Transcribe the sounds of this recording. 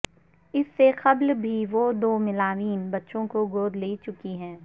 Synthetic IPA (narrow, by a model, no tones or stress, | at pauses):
ɪsːeqɐblbʱiʋod̪oːmɪlaːʋiːnbɐtːʃõkoɡoːɾleːit͡ʃʊkiɦɛ̃ː